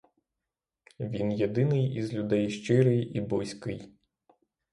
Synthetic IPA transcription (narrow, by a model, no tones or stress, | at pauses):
ʋʲinjed̪ɪnɪjizlʲʊd̪ɛjʃt͡ʃɪɾɪjibɔjsʲkɪj